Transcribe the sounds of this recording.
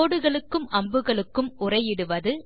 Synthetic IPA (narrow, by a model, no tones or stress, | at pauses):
oːɽɯɣɐɭɯkːɯmʔɐmbɯɣɐɭɯkːɯmʊrɐɪjɪɽɯʋɐðɯ